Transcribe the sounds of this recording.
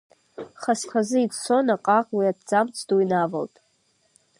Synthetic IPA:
χaskʷʰazɨit͡ssʰo̞naqʼaqʼwiadd͡zamt͡sʰduinava̰ltʼ

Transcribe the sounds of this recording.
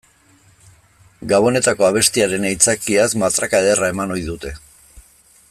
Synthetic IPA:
ɡaβo̞ne̞t̪ako̞aβ̞e̞st̪iaɾe̞nejt͡sakiasmat̪ɾakaðerae̞mano̞jðut̪e̞

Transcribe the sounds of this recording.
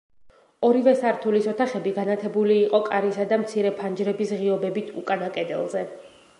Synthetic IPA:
ɔɾivɛsaɾt̪ʰulisɔt̪ʰaχɛbiɡanat̪ʰɛbuliːqʼɔkʼaɾisad̪amt̪sʰiɾɛpʰand͡ʒɾɛbisʁiɔbɛbit̪ʰṵkʼanakʼɛd̪ɛ̰lˠzɛ

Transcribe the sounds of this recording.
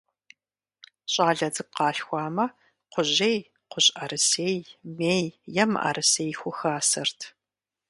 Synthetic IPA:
ɕʼaːɮɐd͡zɨɡ̚qɑːɬxʷɑːmɐ | qʷʊʑej | qʷʊɕʼɐrɨseːjmeːjjɛmʔɐ̰rɨseːjxʷʊxaːsɐrtʰ

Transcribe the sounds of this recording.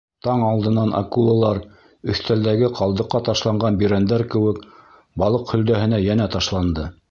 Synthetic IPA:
t̪ɑɴɑlˠd̪ɤ̆nɑnʔa̰kulˠolˠɑɾ | ɵ̆θt̪æld̪æɡɘqʰɑlˠd̪ɤ̆qːɑt̪ɑʃlˠɑɴɢɑnbiɾænd̪æɾkɘ̆wɘk | bɑlˠɤqhɵ̆ld̪æhɘ̆næjænæt̪ɑʃlˠɑnd̪ɤ

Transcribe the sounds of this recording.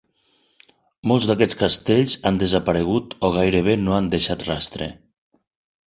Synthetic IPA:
molˠzd̪akɛt͡skast̪eʎzand̪ezapaɾeɣ̞ut̪ɔɣ̞ajɾeβenoand̪eʃat̪rast̪ɾḛ

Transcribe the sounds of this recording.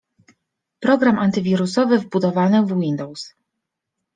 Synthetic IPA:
pɾɔɡɾamant̪ɘvʲiɾusɔvɘvbud̪ɔvanɘvwind̪ɔws

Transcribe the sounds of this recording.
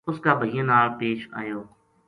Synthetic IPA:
ʊskaːbʱəɦiːə̃naːlpeːʃa̰ːjoː

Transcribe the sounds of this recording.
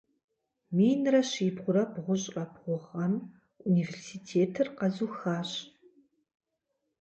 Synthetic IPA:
meːnrɐɕiːbʁʷʊɾɐbʁʷʊɕʼɐbʁʷʊʁɐm | universiːtʰeːtʰɨrqɐzuːxaːɕ

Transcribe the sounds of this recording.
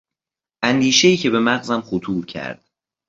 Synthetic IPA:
ʔænd̪iːʃeiːcʰe̞be̞mæɣzæmxot̪ʰuːɾcʰæ̰ɾd̪̥̚

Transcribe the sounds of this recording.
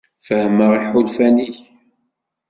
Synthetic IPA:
fəhəməʁiħulfæniç

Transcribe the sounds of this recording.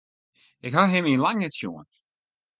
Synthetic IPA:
ɪkɦaɦɪminlaŋnɛtsjuənt

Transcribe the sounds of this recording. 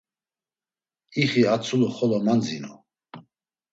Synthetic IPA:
iχiat͡sʰuluχɔlɔmand͡zinɔ̰

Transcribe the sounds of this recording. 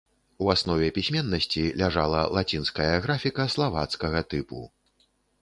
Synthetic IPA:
uasnɔvʲɛpʲisʲmʲɛnːɐsʲt͡sʲilʲaʐalˠɐlˠat͡sʲinskɐjɐɣɾafʲikɐslˠavat̪skɐɣɐt̪ɨpṵ

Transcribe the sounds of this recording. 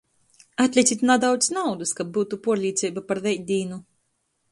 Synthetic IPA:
at̪ʲlʲisʲit̪ʲnad̪awt̪snawd̪ɨskab̚buːt̪upuɔɾlʲiːt̪sʲɛjbapaɾvɛjd̪ʲiːnu

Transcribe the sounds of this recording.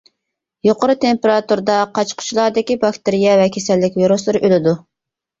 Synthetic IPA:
joqəɾɨt̪ʰempeɾɑt̪uɾd̪ɑqʰɑt͡ʃqʰʊ̥t͡ʃʰilˠɑɾd̪ɪkʲibɑkʲt̪ɪɾijɛvɛkʲʰesɛlːɪkʲviɾuslˠɨɾɨʔølɪd̪u

